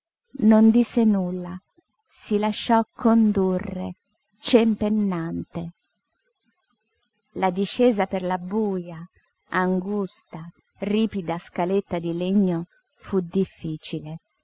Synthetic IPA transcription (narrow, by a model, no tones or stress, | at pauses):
nond̪isːenulːa | silaʃːɔkʰːond̪urːḛ | t͡ʃempenːant̪e | lad̪iʃːɛːzaperlabuːja | aŋɡust̪a | riːpid̪askalet̪ːad̪ileɲːo | fud̪ifːiːt͡ʃile